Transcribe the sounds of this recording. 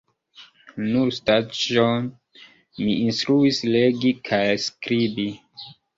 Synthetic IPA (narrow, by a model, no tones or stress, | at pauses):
nuɾstat͡ʃon | miinstɾuisleɡikʰajskɾibi